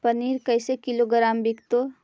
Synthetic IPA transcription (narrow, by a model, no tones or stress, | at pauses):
pəniːɾkəɪsekiloɡɾaːmbikt̪o